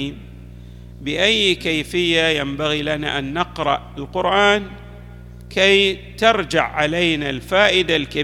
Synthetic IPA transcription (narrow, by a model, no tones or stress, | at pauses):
m | bɪʔajːkajfɪjːajambaɣilana̰ʔanːɑqɾɑ̰ʔɪlqʊɾʔaːn | kajt̪ɑɾˤd͡ʒa̰ʕʕalajnalfaːʔɪd̪alka